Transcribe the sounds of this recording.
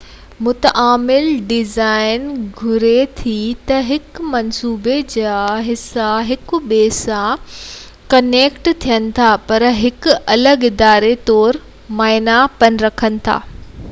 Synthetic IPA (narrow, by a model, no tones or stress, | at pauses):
mʊt̪ʔaːmɪlɖɪzaːɪnɡʱʊɾet̪ʰit̪ɐɦɪkmɐnsuːbed͡ʑaːɦɪsaɦɪkʊɓeːsã | kɐneːkʈt̪ʰijənɪ̆t̪ʰapɐɾɦɪkʊɐləɡɪd̪aːɾet̪ɔːɾ | maːɪnapɐnɾɐkʰənɪ̆t̪ʰa̰ː